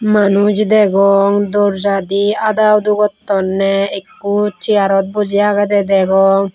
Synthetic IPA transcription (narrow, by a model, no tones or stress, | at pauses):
manud͡ʒd̪ɛɡɔŋd̪ɔɾd͡ʒad̪iad̪awd̪uɡɔt̪ːɔnːɛekːut͡ʃiaɾɔt̪̚bɔd͡ʒijaaɡɛd̪ɛd̪ɛɡɔŋ